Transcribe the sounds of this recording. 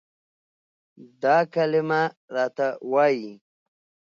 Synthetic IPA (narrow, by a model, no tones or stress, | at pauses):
d̪ɑkalɪmaɾɑːt̪awaːji